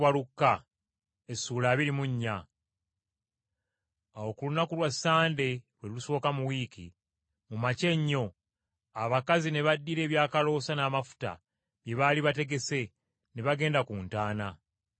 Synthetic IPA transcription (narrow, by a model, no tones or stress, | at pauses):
walukːa | esːuːlaːβiɾimuɲːa | aokulunakulwasːaːnde̞βwe̞uso̞ːkamuwiːkʰḭ | mumace̞ɲːo̞ | aβakazine̞βadːiɾe̞ːβjaːkalo̞ːsanaːmafu̥ta̰ | βje̞βaːliβate̞ɡe̞se̞ | ne̞βaɡe̞ːndakuːntaːna